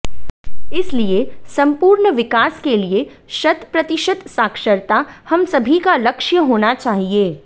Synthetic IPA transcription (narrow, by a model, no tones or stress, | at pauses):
ɪsliesɐ̃mpuːɾɳəʋɪkaːskelie | ʃɐt̪pɾɐt̪ɪʃət̪saːkʃəɾt̪ahɐmsɐbʱikalɐkʃjəɦoːnat͡ʃaːɦieː